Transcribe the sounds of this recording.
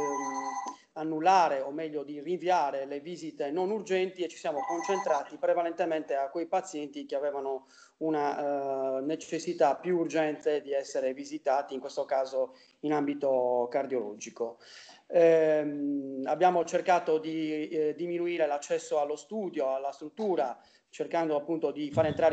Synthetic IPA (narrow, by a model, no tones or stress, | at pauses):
anːulːaːɾeomːɛʎːod̪iriɱviaːɾeleviːzit̪enonurd͡ʒɛnt̪iet͡ʃːisijaːmokont͡ʃent̪ɾaːt̪ipɾɛvalɛnt̪emɛnt̪eakwejpat̪sjɛnt̪ikeavɛːvano | una | net͡ʃesːit̪apjuːrd͡ʒɛnt̪ed̪iɛsːeɾevizit̪aːt̪iːŋkwest̪okaːzo | inambit̪okard̪jolɔ̰ːd͡ʒiko | ɛ | abjaːmot͡ʃerkaːt̪od̪id̪iminuiːɾelat͡ʃːɛsːoalːost̪uːd̪joalːast̪ɾut̪ːuːɾa | t͡ʃerkand̪oapːunt̪od̪ifaːɾeːnt̪ɾaːɾ